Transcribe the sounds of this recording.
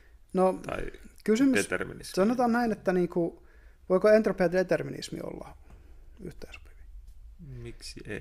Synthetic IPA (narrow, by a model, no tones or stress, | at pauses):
not̪ɑ̰ikysymyet̪erminisɑnot̪ɑːnnæinet̪ːæniːŋku | ʋoikoent̪ropiɑt̪let̪erminḭsmḭo̰lːɑ̰ | y̰ht̪eiso̥pi̥ʋi̥ | miksie